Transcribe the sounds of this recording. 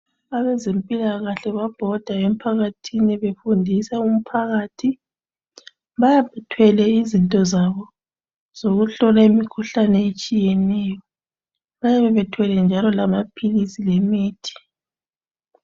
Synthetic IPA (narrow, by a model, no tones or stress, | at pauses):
aβɛzempʼilaɣaɬɛβab̥ʱɔd̥ʱaem̩pʰaɣatʰiniβefundʱisaum̩pʰaɣaːtʰi | βajaβɛtʰwɛlɛizintʼɔzaβɔ | z̥oɣuɬɔlaimikʰuɬanɛet͡ʃʼijɛnɛːjɔ | βajaβɛβɛtʰwɛlɛnd͡ʒʱalɔlamapʰilisilemiːtʰi̥